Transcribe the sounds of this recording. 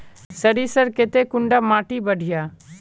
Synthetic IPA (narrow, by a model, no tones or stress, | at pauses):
səɾisəɾket̪ekʊɳɖaːmaːʈibəɖʱijaː